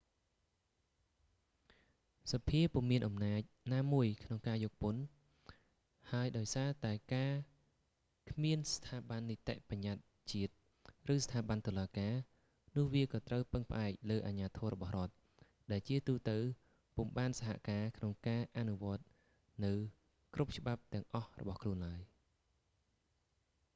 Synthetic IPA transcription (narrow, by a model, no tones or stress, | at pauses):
sɑpʰiəpuəmːiənʔɑmnaːc̚naːmuəjkʰnoŋkaːjɔːk̚pon | haəjɗaɔjsaːt̪aɛkaː | kʰmiənst̪ʰaːɓanːit̪ḛʔpaɲːat̪̚ | t͡ɕiət̪̚ | rɨːst̪ʰaːɓant̪oːlaːkaː | nʊ̆əhʋiəkɑːt̪rəwpɨŋpə̆ʔaɛk̚ləːʔaɲaːt̪ʰɔːɾɔɓɑhrŏət̪̚ | ɗaɛlt͡ɕiət̪uːt̪əw | pumɓaːnsaɦa̰ʔkaːkʰnoŋkaːʔanuʋŏət̪̚ | nɨw | krup̚t͡ɕə̆ɓap̚t̪ɛ̆əŋʔɑhrɔ̰ɓɑhkʰluənlaəj